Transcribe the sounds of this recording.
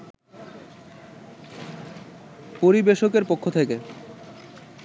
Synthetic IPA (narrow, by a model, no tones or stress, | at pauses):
poɾibeʃokeɾpokʰːot̪ʰeke